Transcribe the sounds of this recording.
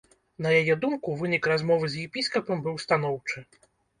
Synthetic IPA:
nɐjajɛd̪umkuvɨnʲikɾazmɔvɨzjɛpʲiskɐpɐmbɨwst̪an̪ɔwt͡ʂɨ

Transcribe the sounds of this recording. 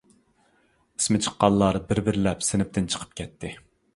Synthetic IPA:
i̥smɪt͡ʃʰə̥qːɑlˠːɑɾbɪɾbɪɾɪlɛpsɪnɪp̚t̪ɪnt͡ʃʰə̥qʰə̥p̚kʲʰɛt̪ʰːɪ

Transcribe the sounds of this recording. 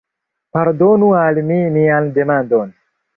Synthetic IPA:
paɾdonualmimiande̞mandon

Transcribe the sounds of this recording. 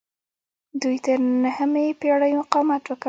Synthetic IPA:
d̪ujt̪əɾnahəmepeɑɽəjmʊqɑmat̪wəka

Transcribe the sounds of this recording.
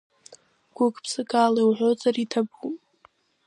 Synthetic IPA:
ɡ̥ʷʊkʰʼpʰsɨkʼalawʕʷozʼaritʰabupʼ

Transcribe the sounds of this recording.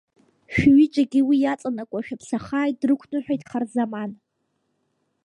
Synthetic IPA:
ʃᶣɥit͡ʃʷʼaɡʲiwijat͡sʼanakʷʼaʃᶣapʰsaχaːjt̚drɨkʷʰnɨħʷᶣajtʼχarzaman

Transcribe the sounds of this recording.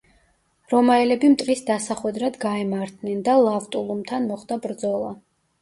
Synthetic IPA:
ɾɔmaɛlɛbimt̪ʼqʼisd̪asaχwɛd̪ɾad̪ɡaɛmaɾt̪ʰnɛnd̪alˠavt̪ʼulˠumt̪ʰanmɔχd̪abɾd̪zɔlˠa

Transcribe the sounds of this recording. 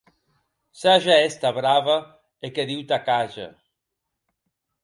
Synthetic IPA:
saʒaest̪aβɾaβa | ekeðiwt̪akaʒa̰

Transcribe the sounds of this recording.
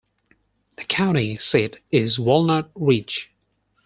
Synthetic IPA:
ðəkʰãʊ̃ñtisiɾɪzwɛlˠnət̚ɹit͡ʃ

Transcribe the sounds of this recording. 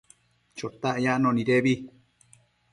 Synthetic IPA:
t͡ʃot̪aʔjaʔnõnĩɾeβi

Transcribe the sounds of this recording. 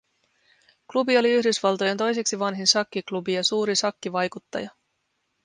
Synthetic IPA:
klubio̞liyhdysʋɑlt̪o̞jent̪o̞jse̞ksiʋɑnɦinsɑkːiklubijɑsuːɾisɑkːiʋɑjkut̪ːɑ̰jɑ

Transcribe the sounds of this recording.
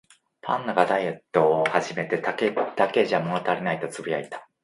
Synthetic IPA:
pʰã̰nːaɡad̪aije̞t̪ːo̞ːhaʑime̞t̪e̞t̪aked̪̥ake̞ʑamo̞not̪aɾʲinait̪o̞t͡sɨbijait̪ḁ

